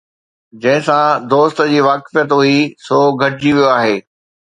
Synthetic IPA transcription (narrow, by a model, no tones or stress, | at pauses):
d͡ʑɐ̃ɦɪ̃sãd̪oːst̪ə̆d͡ʑiːʋaːkɪfijət̪ɦuisoːɡʱɐʈɪd͡ʑiʋijoaːɦeː